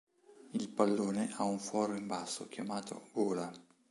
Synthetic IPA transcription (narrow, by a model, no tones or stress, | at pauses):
ilpalːoːneʔauɱfwɔːɾoimbasːo̰kjamaːt̪ʰo̰ɡoːla